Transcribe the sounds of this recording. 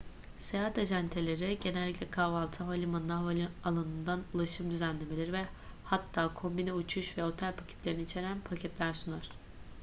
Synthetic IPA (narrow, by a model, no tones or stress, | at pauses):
sejat̪aʒant̪ʰe̞lʲeɾiɟe̞nɛlʲːicʲlʲɛkʰavalˠt̪ʰɯɦolʲimanlˠaalʲialˠanɯnd̪anulˠaʃɯmd̪yzænlʲe̞melʲiɾivɛ | hat̪ʰːaːkʰo̞mbinɛut͡ʃʰuʃvɛo̞t̪ʰælʲpʰacʰɛ̥t̪lʲeɾinit͡ʃʰe̞ɾænpʰacʰɛt̪lʲæɾsunaɾ̝̥